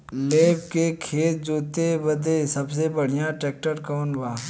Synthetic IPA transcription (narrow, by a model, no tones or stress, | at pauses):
leːbkekʰeːt̪d͡ʒoːt̪ebəd̪esɐbs̬ebəɽ̤ijãʈeːk̚ʈəɾkɔːnbaː